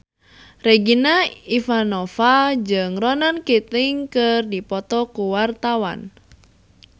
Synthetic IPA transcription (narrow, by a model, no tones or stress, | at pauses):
rɛɡinaifanɔfad͡ʒɨŋrɔnankit̪ɪŋkɨrdipɔt̪ɔkuwart̪awa̰n